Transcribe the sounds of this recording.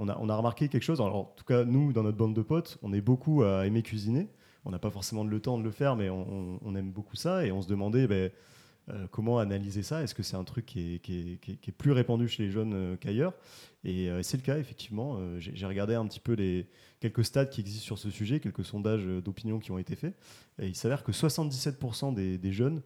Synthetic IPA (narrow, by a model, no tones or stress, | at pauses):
ɔ̃na̰ʔɔ̰̃naʁəmaʁkʲekʲɛlkə̥ʃozalɔ̰ʁɑ̃t̪u̥kanud̪ɑ̃nɔt̪̚bɑ̃d̪d̪əpɔt̪ɔ̰̃nɛbokuaemekʲɥizine | ɔ̃napafɔʁsemɑ̃d̪ələt̪ɑ̃d̪ələfɛʁmɛɔ̃ɔ̃ːnɛmbokusaeɔ̃səd̪əmɑ̃d̪ebɛ | økʰɔmɑ̃analizesaɛskəsɛt̪ɛ̃t̪χykʲʰːiɛkʲkʲɛkʲɛplyʁepɑ̃d̪yʃeleʒœnøkajœːʁeøesɛləkaefɛk̚t̪ʰivmɑ̃øʒḛʒeʁəɡaʁd̪eɛ̃pət̪ʰi̥pøle | kʲɛlkəst̪ad̪̚kʲiɛɡzist̪syʁsəsyʒɛkʲɛlkəsɔ̃d̪aʒød̪opinjɔ̃kʲiɔ̃et̪efɛ | eilsavɛʁkəswasɑ̃t̪̚d̪isɛt̪̚puʁsɑ̃d̪ed̪eʒœn